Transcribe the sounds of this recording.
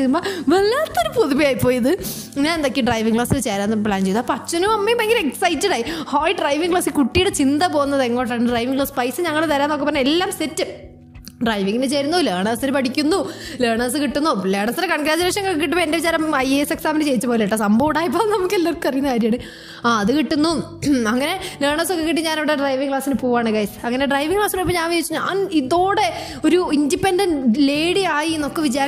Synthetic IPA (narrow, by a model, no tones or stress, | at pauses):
umboːʋelːaːt̪ːoɾupuðuʋijaːjipːoːjɐðɨ | ɲaːnend̪o̞kːiɖrɐjʋiŋɡkɭaːsilt͡ɕeːɾaːnːɨpɭaːnt͡ɕej̪apɐt͡ɕːɐnumɐmːejmbɐŋɡileksɐjtːɐɽaːjihoːjiɖrɐjʋiŋɡkɭaːsɨkuʈːijuɽet͡ɕind̪ɐpo̞ːɣunːɐðeŋːo̞ːʈ̬ːaːɳɨɖrɐjʋiŋɡɭaːspɐjsɨɲɐŋːɐɭt̪ɐɾaːnːokːepɐːɐnelːaːmsetːɨ | ɖrɐjʋiŋɡinet͡ɕeːɾunːoleːɳɐːsinɨpɐʈikʲːunːuleːɳɐːs̬ɨkiʈːunːuleːɳɐsɾekɐɳɡɾaːd͡ʑɐɾeːʂɐŋːɐkːiʈːupoendeʋid͡ʑaːɾɐmɐjese̞ksaːmɐnlɨt͡ɕe̞jit͡ɕːɨpoːleʈːasɐmbɐːʋɽaːjipːoːnɐmukːelːarkːɨɐrijunːɐkaːɾjmaːɳɨ | aːɐðɨkiʈːunːuɐŋːɐne̞leːɳɐsokːekiʈ̬ːiɲaːniʋiɽeɖrɐjʋiŋɡɭaːsinɨpuːʋaːɳɨɡɐjsɨ̥ɐŋːɐneɖrɐjʋiŋɡkɭaːsinoːipːoɲaːnʋiit͡ɕːuɲa̰ːniðo̞ːɽe̞ | o̞ɾuindipendɐnɖleːɽiaːjienːo̞kːeʋid͡ʑaːɾ